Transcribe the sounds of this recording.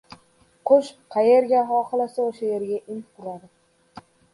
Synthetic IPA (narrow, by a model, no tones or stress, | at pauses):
qʰʊʃqʰɑjeɾɡʲaɦɒχɨlˠasaoʃaje̞ɾɡʲaʔɪnqʰʊɾad̪ɪ